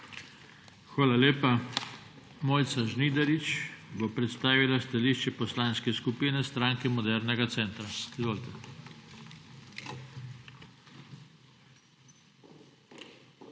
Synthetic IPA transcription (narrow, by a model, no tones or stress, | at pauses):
xʋaːlaleːpa | moːjt̪saʒnid̪ɛɾit͡ʃbopɾɛt̪st̪aːʋilast̪aliʃt͡ʃɛpɔslaːnskɛskupiːnɛst̪ɾaːŋkɛmɔd̪ɛɾnɛɡat̪sɛːnt̪ɾaizʋoːlit̪ɛ